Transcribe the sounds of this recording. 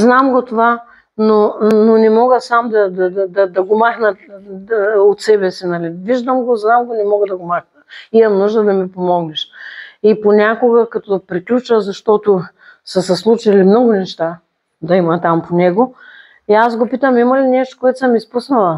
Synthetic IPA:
znamɡot̪ova | nononɛmɔɡəsamd̪ɐd̪ɐd̪ɐd̪ɐd̪ɐɡomaxnɐt̪ | ot̪sɛbɛsinɐliviʒd̪əmɡoznamɡonɛmɔɡəd̪ɐɡomaxnəimɐmnuʒd̪əd̪ɐmipomɔɡnɛʃiponʲakoɡɐkɐt̪ɔd̪ɐpɾiklʲut͡ʃəzɐʃt̪ɔt̪o | səsɐslˠut͡ʃɐlimnɔɡʊnɛʃt̪a | d̪ɐimɐt̪ampʰonɛɡo | iasɡopit̪əmimɐlinɛʃt̪o̥koɛt̪ʊ̥sɐmispusnɐlˠɐ

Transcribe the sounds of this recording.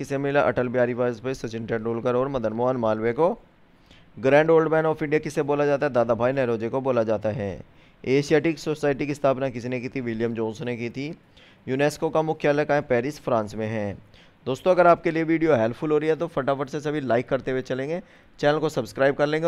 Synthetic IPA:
ɪsemɪlaʔɐ̰ʈəlpjaːɾiʋaːzpesɐt͡ʃɪ̃ɳʈeːɖɾoːlkəɾɔːɾmɐd̪ənmoanmaːlweko | ɡɾɛ̃ːɳɖoːlɖbɛːnɔːfɪ̃ɳɖijakɪseboːlad͡ʒaːt̪aɦɛd̪aːd̪abʱaːinɛːɾoːd͡ʒekoboːlad͡ʒaːt̪aɦɛ̰ː | eːʃijaːʈiksosaːɪʈikiɪst̪ʰaːpnakɪsinekit̪ʰiʋɪljəmd͡ʒõːnsnekit̪ʰi | juːneːskokamʊkʰjaləkaːẽpɛːɾɪsfɾãːnsmẽɦɛ̃ː | d̪oːst̪õɐɡəɾaːp̚kelieʋiːɖijoɦɛlpʰfʰʊlɦoːɾɐiɦɛt̪ofʰɐʈapʰəʈsesɐbʱilaːɪkːɐɾt̪ewet͡ʃɐlẽːŋɡeː | t͡ʃɛːnəlkosɐbskɾaːɪb̚kɐɾlẽːŋɡe

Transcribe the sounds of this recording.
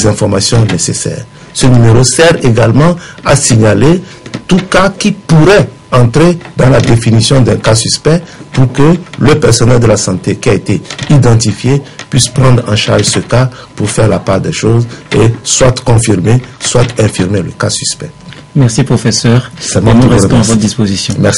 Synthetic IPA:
ɛzɛ̃fɔʁmasjɔ̃nesesɛ̰ːʁ | sənymeʁosɛʁeɡalmɑ̃asiɲale | t̪ukakipuʁɛ | ɑ̃t̪χed̪ɑ̃lad̪efinisjɔ̃d̪ɛ̃kasyspɛpuʁkələpɛʁsɔnɛld̪əlasɑ̃t̪ekiaet̪eid̪ɑ̃t̪̬ifjepɥispʁɑ̃d̪ʁɑ̰̃ʃaʁʒsəka | puʁfɛʁlapaʁd̪ɛʃozeswat̪kɔ̃fiʁmeswat̪ɛ̃fiʁmeləkasyspɛ | mɛʁsipχofesœʁsɛmɔ̃ʁɛɛtɔ̃avɔt̪d̪ispozisjɔ̃mɛʁs

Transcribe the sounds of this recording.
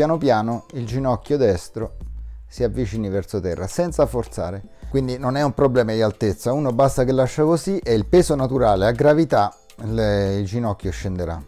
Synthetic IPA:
jaːnopjaːnoild͡ʒinɔkːjod̪ɛst̪ɾosiavːit͡ʃiːnivɛrsot̪ɛrːa̰sɛnt̪safort̪sa̰ːɾekwind̪inonɛumpɾoblɛːmad̪ialt̪et̪sːauːnobast̪akelːaʃːakosiʔeilpɛːzonat̪uɾaːleaɡːɾavit̪a | ild͡ʒinɔkːjoʃːend̪eɾa̰

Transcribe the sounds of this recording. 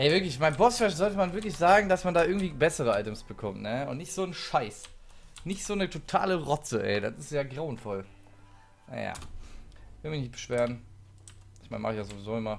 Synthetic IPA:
ʔɛːvɪɐklɪçmaɪnbɔsfɛʃzɔltəmanvɪɐklɪçz̥aːɡŋ̩dasmandaːʔɪɐɡ̩tv̥iːbɛsəʁəʔaɪtəmsb̥əkʰɔmtnəʊ̰ntnɪçtz̥oːnʃaɪsnɪçtz̥oːnətʰotʰa̰ːləʁɔt͡səʔɛ̰ɪda̰sɪstjaːɡʁaʊənfɔl | na̰ja̰ː | ɪv̥ɪlmɪçnɪçtb̥ə̥ʃv̥eːʁən | ɪçmaɪnma̰χɪçjazovizoːɪmɐ

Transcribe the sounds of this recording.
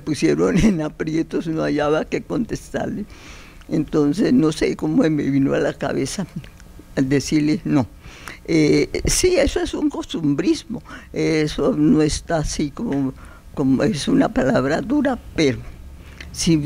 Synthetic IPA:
mepusje̞ɾonenapɾje̞t̪osnoaʝaβake̞ko̞nt̪est̪a̰ɾle | ent̪o̞nsesno̞sḛkomoemeβinoalaka̰βesa | d̪esiɾleno̞ | esie̞soesuŋko̞st̪umbɾizmo̞esonoest̪aːsikomo | komoesunapalaβɾaðuɾapeɾo | si

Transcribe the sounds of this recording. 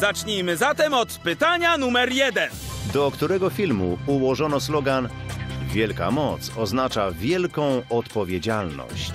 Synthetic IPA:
zat͡ʂɲijmɘzat̪ɛmɔt̪pɘt̪aɲanumɛɾjɛd̪ɛnd̪ɔkt̪uɾɛɡɔfʲilmuuwɔʐɔnɔslɔɡanvʲjɛlka̰mɔt̪sɔznat͡ʂavʲjɛlkɔ̃w̃ɔt̪pɔvʲjed͡ʑalnɔ̰ɕt͡ɕ

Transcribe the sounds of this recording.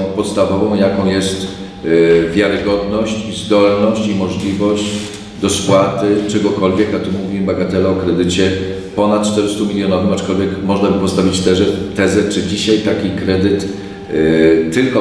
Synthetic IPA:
pɔt̪st̪avɔvɔ̃w̃jakɔ̃w̃jɛst̪ | vʲjaɾɘɡɔd̪nɔɕt͡ɕizd̪ɔlnɔɕt͡ɕimɔʐlʲivɔɕt͡ɕ | d̪ɔskwat̪ɘt͡ʂɛɡɔkɔlvʲjɛkat̪umuvʲimbaɡat̪ɛlɛɔkɾɛd̪ɘt͡ɕɛ | pɔnat̪̚t͡ʂt̪ɛɾɘst̪umʲilʲjɔnɔvɘmat͡ʂkɔlvʲjɛkmɔʐnabɘpɔst̪avʲit͡ɕt̪ɛʐɛt̪ɛzɛt͡ʂɘd͡ʑiɕajt̪akʲikɾɛd̪ɘt̪ | ɘlkɔ

